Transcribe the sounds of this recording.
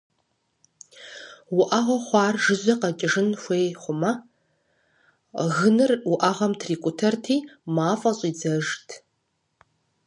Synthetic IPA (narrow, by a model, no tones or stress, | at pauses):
wʊʔɐʁɐχʷɑːrʒɨzʷɐqɐt͡ʃʼɪʐɨnxʷeːχʷʊmɐ | ɣɨnɨrwʊʔɐʁɐmtʰriːkʷʼʊtʰertʰiːmaːfʼɐɕʼiːd͡zɐʒtʰ